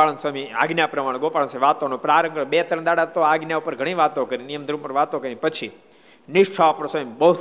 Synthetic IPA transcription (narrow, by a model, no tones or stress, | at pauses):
aɭənsamia̰ɡnjapɾəmaɽ̃ɡopaɭə̃nsiʋat̪onõpɾaɾə̃ŋɡəbet̪ɾə̃d̪aɽat̪oaɡnjaupəɾɡʱəɽ̃ĩʋat̪õkəɾinijəmd̪ʱɾupəɾʋat̪õkəɾinipət͡ʃʰi | nɪʂʈʰapəɾsamibəɦu